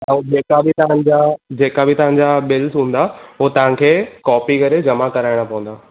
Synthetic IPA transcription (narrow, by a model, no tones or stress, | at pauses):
ɛ̃d͡ʑeːkabɪt̪ɐʋ̤ãɲd͡ʑad͡ʑeːkabʱɪt̪ɐʋ̤ɦãɲd͡ʑabɪlsɦũːn̆d̪aɦot̪ɐʋ̤ãkʰeːkɔːpikɐɾed͡ʑɐmakɐɾaːɪɽ̃apɐʋə̃nd̪aː